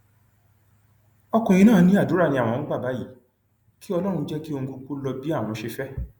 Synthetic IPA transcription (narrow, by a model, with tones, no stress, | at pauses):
ɔ˧kɔ̃˨j̃ĩ˧nãː˦˨˦nĩ˦a˦˨du˨˦ɾa˦˨nĩ˧ã˨ɔ̃˨˧˦ɡ͡ba˦˨ba˨˦ji˨˦ | ki˦ɔ˧lɔ˦ɾ̃ũ˧˦d͡ʒɛ˦ki˦o˧ŋ̩̃˧ku˧ku˦lɔ˧bi˦a˦˨w̃ɔ̃˨˧˦ʃe˧fɛ˦